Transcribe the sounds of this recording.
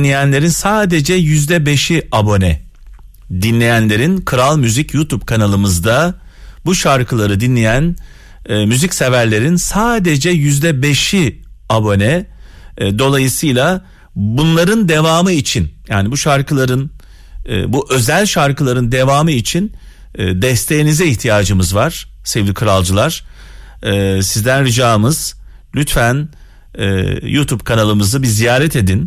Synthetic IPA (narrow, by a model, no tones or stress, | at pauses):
lʲejænlʲe̞ɾinsaːd̪ed͡ʒɛjyzd̪ɛbeʃiabo̞nɛ | d̪inlʲe̞jænlʲe̞ɾinkʰɯɾalˠmyzicjut̪ʰupkʰanalˠɯmɯzd̪a | buʃaɾkʰɯlˠaɾɯd̪inlʲejænː | myzicsevæɾlʲe̞ɾinsaːd̪e̞d͡ʒɛjyzd̪ɛbe̞ʃiabo̞nɛ | d̪o̞lˠajɯsɯjlʲˠa | bunlˠaɾɯnd̪e̞vaːmɯit͡ʃʰinja̰ːnibuʃaɾkʰɯlˠaɾɯn̰ː | buʔø̞zælʲʃaɾkɯlˠaɾɯnd̪evaːmɯit͡ʃʰinː | d̪ɛst̪ʰe̞jinizɛiçt̪ʰijaːd͡ʒɯmɯzvaɾ̥ | sɛvd̪ikʰɯɾalˠd͡ʒɯlˠaɾ̥ | ɛːsizd̪ænɾɯd͡ʒaːmɯz̥ | lʲyt̪fæn | ɛ̰jut̪ʰubkʰanalˠɯmɯzɯbizijaːɾɛt̪e̞d̪in